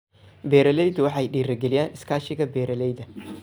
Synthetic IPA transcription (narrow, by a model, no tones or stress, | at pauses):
bɛːɾɐlɛjðʊwɑħɑjɖiːɾɐɡɛlɪjaːnɪskʰaːʃɪɣɐbɛːɾɐlɛjðɐ